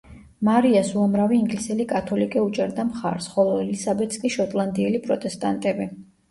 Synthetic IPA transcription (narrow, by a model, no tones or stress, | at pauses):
maɾiasuamɾaviːŋɡlisɛlikʼat̪ʰɔlikʼiut͡ʃʼɛɾd̪amχa̰ɾsχɔlˠɔɛlisabɛt̪ʰskʼiʃɔt̪ʼlˠand̪iɛlipʼɾɔt̪ʼɛst̪ʼant̪ʼɛbi